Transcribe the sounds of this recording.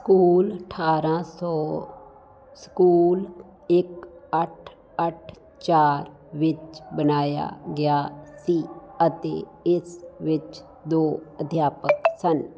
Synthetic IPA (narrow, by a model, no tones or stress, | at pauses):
skuːləʈʰaːɾãsɔː | skuːl | ɪkəʈʰ | əʈ̚ʰ | t͡ʃaːɾ | ʋɪt͡ʃbənaːja̰ɡjaːsiːət̪ḛːɪsʋɪt͡ʃ | d̪oːəd̪ʱjaːpəksən